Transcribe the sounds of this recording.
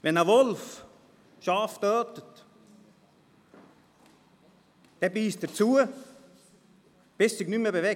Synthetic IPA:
ʋɛnɑʋɔlf | ʃɑːft̪œːt̪ət̪ | d̪̥ɛbiːst̪ət͡suə | b̥ɪssɪɡnyməbeʋɛ

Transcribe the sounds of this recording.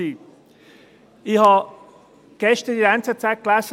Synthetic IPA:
i | ɪçhɑ | ɡ̥ɛstədiant͡sət͡saɪt̚ɡ̥lasə

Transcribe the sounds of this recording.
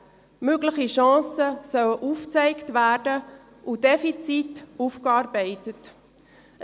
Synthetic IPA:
møɡləχiʃɑ̃ːsəsœwəʔuːft͡sɛɪktʋæːrdə | ʔud̥ɛfit͡situfkɑːɾbɛɪtət

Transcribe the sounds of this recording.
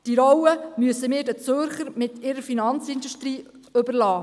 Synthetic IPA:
d̥iɾɔwəmyəsəmɪːɾdət͡søɾχəɾmɪtʰɪɾəɾfinɑnt͡sɪnduʃtɾiː | ɵbəɾlɑː

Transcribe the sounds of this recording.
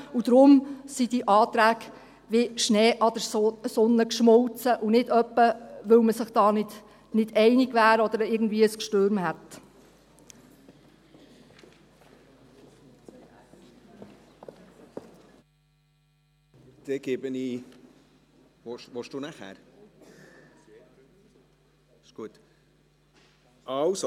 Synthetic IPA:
ud̪̥ɾʊmsid̥iʔɑːt̪ɾæːɡ | ʋɪʃneːʔɑd̥̪əsɔnːəkʃmɔlt͡səʔunɪdœpːəʋɵwməsɪχd̥ɑːnɪd̥ | nɪd̥ɛɪnɪɡʋæːɾɔd̥̪əɾɪːɡn̩d̪viːəəskʃtøːɾmhɛt | d̪̥eɡ̥ebəniː | ʋoʃʋoʃd̥uːnæχæ̰ɾ | ɪʃɡ̥uət̪ | ɑwso

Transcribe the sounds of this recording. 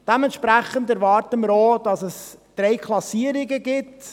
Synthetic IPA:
d̥ɛmɛnt̪ʃpɾæχəndæɾvɑːɾtəməɾod̥ɑsɛsd̪̥ɾejkʰlˠɑsiːəɾɪɡəɡɪt

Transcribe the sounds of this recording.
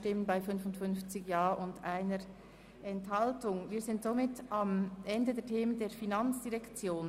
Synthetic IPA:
tɪmənbaɪfʏnfʊntfʏnft͡sɪɡjaːʔʊndaɪnəɾ | ʔɛnthɑltʊŋviːzɪntz̥omɪtɑmʔɛndədeːɐtʰeːməndeːɐfinant͡sd̥iʁɛkt͡sjoːn

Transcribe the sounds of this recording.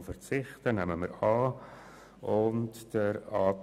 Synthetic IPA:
fəɾt͡sɪχtənæməmə̰ɾɑː | ʊntd̥əɾɑːt

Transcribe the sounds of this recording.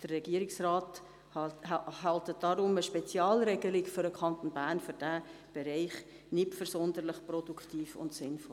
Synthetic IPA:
d̥ərrɛɡ̥iəɾɪksrɑːt | hɑltəd̥ɑɾʊməʃpɛt͡sjɑːlɾɛɡəlɪkfʏɾəkχɑnt̪onbæːɾnfʏɾd̥æb̥ɛɾɛɪχ | nɪtfʏɾsɔnd̪ələχprɔd̥ukχtiːfʊ̰ntsɪnfɔl

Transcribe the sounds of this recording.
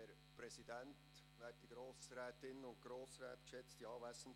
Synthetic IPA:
ɛɾ | pɾɛsidɛnt | ʋɛːt̚d̥iɡ̥ɾoːsɾɛːtɪnənʊnt̚ɡ̥ɾoːsɾɛ̰ːt̪kʃɛt͡std̥iɑːvæsn̩

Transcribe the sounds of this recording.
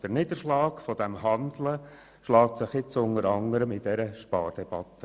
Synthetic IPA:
d̥əɾnɪd̪əʃlɑːkfɔd̥̪ɛmhɑnd̪lə | ʃlɑːt̪sɪχɪt͡sʊnəɾɑŋəɾəmɪd̥ɛɾəʃpɑːɾd̥ɛb̥ɑt̪ːə

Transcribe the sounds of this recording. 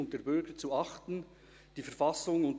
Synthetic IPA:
ʊnt̚d̥eːɾbʏɾɡ̥ət͡suɑχtn̩ | d̥iːfɛɾfɑsʊŋʊnt

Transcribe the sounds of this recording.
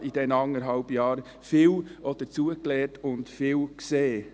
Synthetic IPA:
id̥ɛnɑŋːəɾɦɑlbjɑːɾ | fɪːwʔɔd̥ət͡suəklɛːtʰʊntfɪːlkseː

